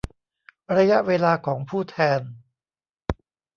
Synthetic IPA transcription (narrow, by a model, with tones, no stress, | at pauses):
ɾa˧ja˦˥ʔweː˧laː˧kʰɔː˩˦ŋpʰuː˥˩t̪ʰɛː˧n